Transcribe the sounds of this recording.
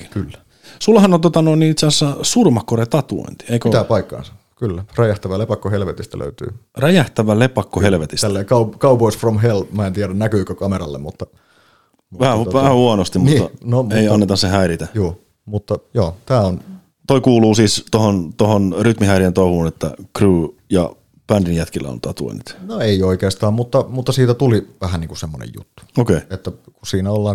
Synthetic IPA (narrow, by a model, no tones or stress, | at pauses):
kːi̥nkylːæ̥ | sulːɑhɑnont̪ot̪ɑnoinːiit̪seæsːæsurmɑkːoret̪ɑt̪uo̰int̪i̥eikøt̪æpɑikːɑ̰ːnsɑ̥ | kylːæræjæht̪æʋælepɑkːohelʋet̪ist̪æ̰lø̰yt̪y̰ːræjæht̪æʋælepɑkːohelʋet̪ist̪ælːeikɑupkɑupoisfromɦelmæːent̪iæɾænnækyːkøkɑmeɾɑ̰lːḛmmut̪ːɑ | uʋæhæuʋæhæhuɑnost̪immuniːt̪ːɑnomeiɑnːet̪ɑssehæiɾit̪æjuː | mut̪ːɑjoːt̪æːon | t̪oikuːluːsiːst̪ohont̪ohonryt̪mihæiɾient̪ouhuːnet̪ːæ̰kruːjɑ̰ | pændinjæt̪kilːæ̰o̰nt̪ɑt̪ṵḭnyt̪noeioikeːst̪ɑːmmut̪ːɑmut̪ːɑsiːt̪æt̪uliʋæhæniːŋkusemːo̰nḛjjṵt̪ːu̥okeiet̪ːækusiːnæolːɑːŋ